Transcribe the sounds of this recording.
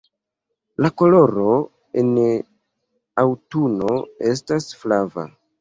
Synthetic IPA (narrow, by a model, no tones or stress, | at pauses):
lako̞lo̞ɾo̞ | en | awtuno̞e̞s̬tasflava̰